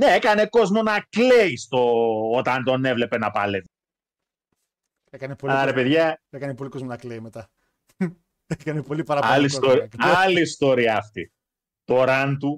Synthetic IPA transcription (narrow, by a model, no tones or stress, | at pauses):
ne̞ekɐne̞ko̞zmo̞nɐkleist̪o̞ot̪ɐnt̪o̞ne̞vle̞pe̞nɐpɐlet̪e | ekɐnepoɐlɐɾe̞peðʝɐekɐnepolikozmonɐkleimet̪ɐ | ekɐnepolipɐɾɐɐlist̪oɾiɐlist̪o̞ɾiɐːft̪ḭ | t̪o̞ɾɐnt̪u